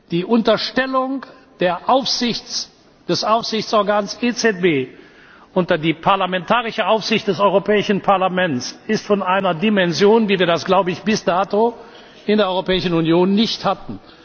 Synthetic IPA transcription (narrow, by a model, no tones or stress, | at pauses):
d̥iːʔʊntɐʃtɛlʊŋ | d̥eːɐʔaʊfz̥ɪçt͡s | d̥ɛsʔaʊfz̥ɪçt͡sʔɔɐɡaːnsʔet͡sɛt̚b̥eː | ʔʊntɐdiːpʰaɐlamɛntʰaːʁɪʃəaʊfsz̥ɪçt̚d̥ɛsɔʏʁopɛːɪʃn̩pʰaɐlamɛnt͡sɪstfɔnʔaɪnɐdimɛnzjoːnviːviːɐdasɡ̥laʊbəɪçb̥ɪsnaːto | ʔɪndeːɐɔʏʁopɛːɪʃn̩unjoːnːɪçthatn̩